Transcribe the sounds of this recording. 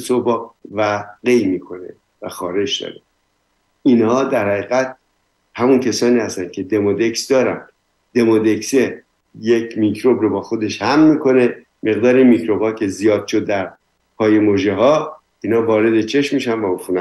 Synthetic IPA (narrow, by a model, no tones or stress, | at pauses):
sobɒqvæɡejmiːkʰo̞ne̞̰ | væxɒːɾe̞d͡ʒd̪ɒ̰ːɾe | inhɒːd̪æɾhæɣiːɣæt̪̚ | hæmuncʰesɒːniːhæst̪æn̥kʰe̞d̪e̞mod̪e̞ksd̪ɒːɾæn | d̪̥e̞mod̪e̞kse | jecʰmikʰɾobɾobɒːxo̞d̪e̞ʃhæmːiːkʰo̞ne̞ | me̞ɣd̪ɒːɾinmikɾo̞bhɒːcʰe̞zijɒːd̪̥̚ʃod̪ːæɾ | pʰɒːjemoʒeɦɒː | iːnhɒːvɒːɾe̞d̪et͡ʃʰeʃmːiːʃænvæofunæ